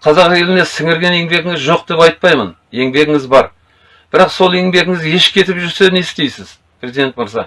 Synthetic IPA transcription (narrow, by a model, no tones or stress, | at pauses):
qʰɑzɑqjelɪnesɪŋɪɾɡʲe̞ne̞ŋbe̞ɡʲɪŋɪzʒo̞q̚d̪e̞pɑjt̪̚pɑjmə̰n | e̞ŋbe̞ɡʲɪŋɪzbɑɾ | b̥ɪɾɑqso̞lˠe̞ŋbe̞ɡʲɪŋɪze̞ʃkʲʰe̞t̪ɪpʒʏɾse̞nesd̪e̞jsɪz̥ | pʰrʲezijd̪e̞nt̪məɾzɑ